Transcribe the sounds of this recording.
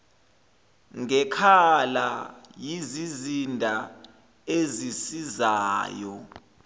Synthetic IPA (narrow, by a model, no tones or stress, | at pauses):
ŋɛkʰalajizizindʱa | ezisizaːjɔ